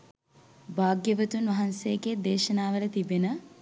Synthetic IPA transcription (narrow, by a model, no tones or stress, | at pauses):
baːɡjəʋət̪unʋɐɦansejːɡed̪eːʃɐnaːʋələt̪ibenə